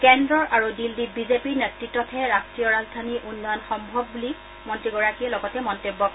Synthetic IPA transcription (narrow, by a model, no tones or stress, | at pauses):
kɛndɹɔɹaɹudildit̚bizepiɹnetɹitːɔtʰɛɹastɹijɔɹazdʱaniʔunːɔjɔnxɔmbʱɔbːuli | mɔntɹiɡɔɹakijɛlɔɡɔtɛmɔntebːɔk